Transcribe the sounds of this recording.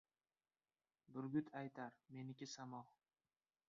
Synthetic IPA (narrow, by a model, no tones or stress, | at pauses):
b̪ʊɾɡʲʊt̪ʰajt̪ʰaɾme̞nɪkʲɪsamɒh